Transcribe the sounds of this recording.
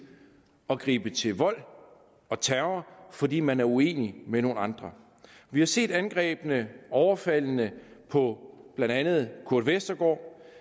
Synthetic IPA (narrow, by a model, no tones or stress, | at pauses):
ɒ̽ɡ̥ʁḭːb̥ət͡sʰe̝lʋɒ̽l̰ | ɒ̽t͡sʰæɐʊɐfɒ̽dḭːmænæɐue̝̰ːnimeno̝ːnɑ̈nd̥ʁɐ | ʋihɑ̈se̝̰ːd̥ænɡ̥ʁɛ̰ːb̥ənəɒʊɐfæl̰nəpʰɒ̽b̥lænd̥ænð̞̩ˠkʰuɐd̥ʋesd̥ɐɡ̥ɒ̰ː